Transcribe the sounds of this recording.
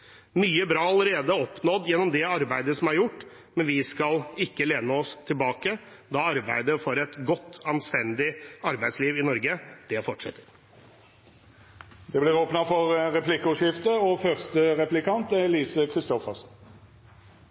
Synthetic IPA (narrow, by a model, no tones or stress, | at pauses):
myːəbɾɑːɑləɾeːd̪əɔpnɔd̪jɛnːɔmd̪ɛɑɾbæɪd̪əsɔmæɾjʊʈː | mɛnʋɪskɑlɪkːəleːnəɔst̪ʰɪlbɑːkə | d̪ɑɑɾbæɪd̪əfɔɾɛt̪ɡɔt̪ːɑnst̪ɛnd̪ɪɑɾbæɪd̪sliːʋɪnɔɾɡəd̪̥ɛfɔʈʂɛ̰t̪ːəɾ | d̪̥ɛblɪʁoːpnɑfɔɾɾɛplɪkːəʉʂɪft̪əɔfœʁst̪əʁɛplɪkʰɑnt̪ɛliːsəkʰɾɪst̪ɔfəʁsn̩